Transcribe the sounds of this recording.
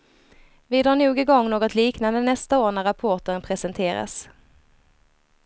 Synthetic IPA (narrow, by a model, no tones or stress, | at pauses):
vɪd̪ɾɑːɳuːɡɪɡɔŋːnoːɡɔt̪liːknand̪ənɛst̪aoːɳæɾapʰɔʈənpʰɾɛsɛnt̪ʰeːɾa̰s